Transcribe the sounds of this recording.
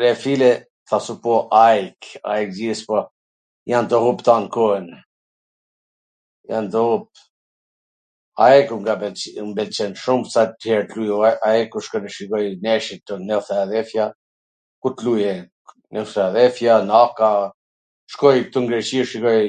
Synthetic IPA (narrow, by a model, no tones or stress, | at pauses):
ɾɛfilɛ | θasupɔʔajka̰jk̚d͡ʑispɔ | jant̪əɦupt̪ankɔən | jant̪əhup̚ | aɛkuŋɡabɛmbɛlt͡ʃɛnʃumsat̪hɛɾt̪lujuaɛkuʃkɔnɛʃikɔjnɛʃit̪ːɔnɛθɛaðɛfja | kut̪lujɛ | nɛθɛaðɛfjanaka | ʃkɔjk̚t̪uŋɡɾɛt͡ɕiʃikɔj